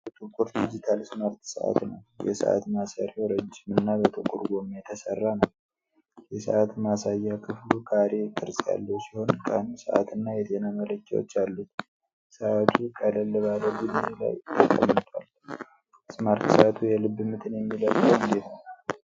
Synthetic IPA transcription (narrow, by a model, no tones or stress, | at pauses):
t̪ʼɨkʼːuɾd̪id͡ʒit̪ʰalsmaɾt̪sə̰ʔa̰t̪nə̰wjɛ̰sə̰ʔa̰t̪masəɾeoɾəd͡ʒːɪmɨnːabət̪ʰʼɨkʼuɾɡomːejɛt̪ʰəsərːanəw | jɛsə̰ʔat̪masajːakʰɨflukʰaɾe̞t̪ʰɨɾsʼja̰lːəsiho̞nkʼansə̰ʔa̰t̪ɨnːajɛt̪ʰe̞namələkʼːɛwo̰t͡ʃːalːə | səʔat̪ʰukʰələlːɨβalədɨdla̰jt̪ʰːəkʼːə̰mːɨt̪ʰʼwal | smaɾt̪səat̪ʰujɛlɨbːɨmɨt̪ʰɨnjɛmːiləkːəɨnd̪et̪nəw